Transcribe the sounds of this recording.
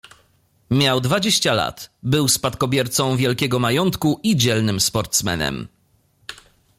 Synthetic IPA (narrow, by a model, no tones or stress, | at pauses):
mʲjawd̪vad͡ʑeɕt͡ɕala̰t̪bɘwspat̪kɔbʲjɛɾt̪sɔ̃w̃vʲjɛlkʲɛɡɔmajɔnt̪kuʔid͡ʑɛlnɘmspɔɾt̪smɛ̰nɛ̰m